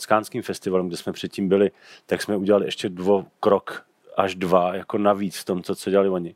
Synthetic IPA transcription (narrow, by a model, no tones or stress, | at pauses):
skaːnskiːmfɛst̪ɪvalɛmɡdɛsmɛpr̥ɛt̪̚ciːmbɪlɪ | t̪aksmɛuɟɛlalɪʔɛʃcɛdvokɾok | ʔaʒdvajako̞naviːt͡sft̪o̞mt͡sot͡soɟɛlalɪvoɲɪ